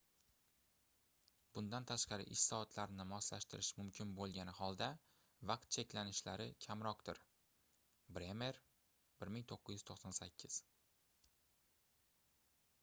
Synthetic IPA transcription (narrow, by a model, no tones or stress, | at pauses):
bʊnd̪ant̪ʰaʃqɑɾɪ̰ʔɪʃsɒat̪ʰlaɾnɪmɒzla̰ʃt̪ɪɾɪʃmʊmkʲʰɪnbolˠɡʲanɪhɒlˠd̪a | vɑq̚t̪̚t͡ʃʰekʲlanɪʃlaɾɪkʲʰamɾɒqd̪ɪɾ | bɾeme̞ɾ | b̥ɪɾmɪŋt̪ʰoqːɨzjyɪ̥t̪ʰoqsɒnsakʲʰːɪz̥